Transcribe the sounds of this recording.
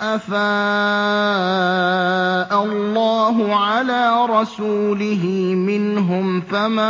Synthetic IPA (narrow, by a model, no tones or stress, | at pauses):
ʔafaː | ʔalːaːɦʊʕalaːɾˤɑsuːlɪɦɪ | mɪnɦʊmfama